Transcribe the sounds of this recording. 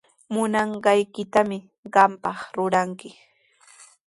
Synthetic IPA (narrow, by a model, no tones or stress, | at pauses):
mʊnɑɴɢɑjkɪt̪amɪ | ɢɑmpɑχɾʊɾaŋkɪ